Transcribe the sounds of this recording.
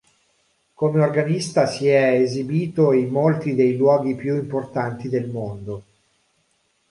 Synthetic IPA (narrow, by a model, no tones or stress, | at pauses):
komeorɡanist̪asiɛezibiːt̪oimːolt̪id̪ejlwɔːɡipjuimport̪ant̪id̪elmond̪o